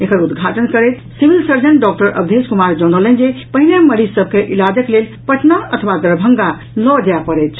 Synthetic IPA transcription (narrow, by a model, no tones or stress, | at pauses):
ekəɾud̪ɡʱaʈənkəɾɛt̪ | sibilsəɾd͡ʒənɖɔk̚ʈəɾʔə̰bd̪ʱeskumaɾd͡ʒɔnələnd͡ʒepəɦineməɾisəb̚ʱkeʔilad͡ʒəklelpəʈʰnaət̪ʰʋad̪ɾəbʱəŋɡa | lɔd͡ʒeapəɾɛt̪ʰ